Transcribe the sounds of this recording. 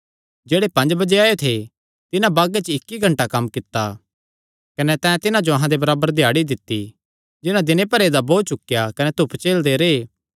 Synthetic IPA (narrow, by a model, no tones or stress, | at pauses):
d͡ʒeːɽepɐ̃nd͡ʒbɐd͡ʒeaːjot̪ʰe | t̪ɪnãbaːɡet͡ʃɪkːiɡʱɐ̃ɳʈakɐmːkɪt̪ːa | kɐnɛt̪ɛ̃ːt̪ɪnãd͡ʒoɐɦãd̪ebɐɾaːbəɾd̪ʱɪjaːɽid̪ɪt̪ːi | d͡ʒɪnãd̪ɪnepɐɾeːd̪aboːt͡ʃʊkjakɐnɛt̪ʊpt͡ʃeːld̪eɾeː